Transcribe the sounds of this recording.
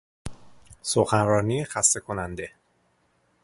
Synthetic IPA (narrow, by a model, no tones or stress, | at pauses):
soxænɾɒːnixæst̪e̞kʰo̞nænd̪e̞